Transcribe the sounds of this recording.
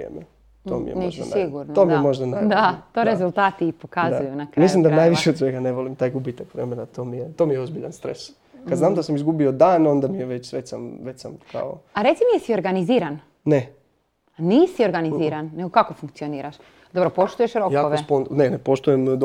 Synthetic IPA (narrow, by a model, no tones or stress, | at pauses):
ḛme | t̪oːmḭjɛ̰nʒd̪aniɡuɾnt̪omiemo̞ʒd̪anaɾd̪at̪oɾezulˠt̪aːt̪iːpokazaujunakɾmaislˠimd̪anajʋiʃeod̪sʋeɡaneʋolimt̪aːjɡubit̪akʋɾemenat̪oːmijet̪oːmijeozbiʎanst̪ɾḛs | kad̪znaːmd̪asamizɡubiod̪aːno̞nd̪amijeʋet͡ɕsʋet͡ʃsamʋet͡ɕsa̰mkʰa̰o̰aɾe̞t̪simijesioɾɡaniziːɾan | ne | niːsio̞ɾɡaniiːɾanːe̞ɡokakofuŋkt̪sio̞niːɾaʃ | d̪obɾopo̞ʃt̪ujeʃɾokjaːoʋeponnenepoʃt̪ujemd̪